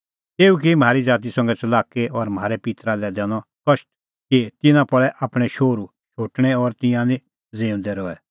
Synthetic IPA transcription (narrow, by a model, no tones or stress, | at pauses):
t̪eːuk̬im̤ʱaːɾid͡ʒaːt̪̬isɐ̃ŋɡɛt͡sɐlaːkeɔɾm̤ʱaːɾɛpɪt̪ɾalɛd̪ɛːñɔkɐʃʈ̚ | kit̪ɪnãpɐɭɛʔaːpɽ̃ɛʃoːɾu | ʃoːʈɽ̃ɛɔɾt̪ɪ̃jãnĩ | zẽːũnd̪ɛɾɔɛ